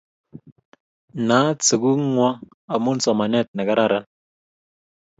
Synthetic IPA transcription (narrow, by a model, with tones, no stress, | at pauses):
na˨˦t͡sɨ˨ku˦ŋwɔ˦ | a˨mu˦n˦sɔ˨ma˨nɛ˦t̚nɛ˨ka˦ɾa˦ɾa˦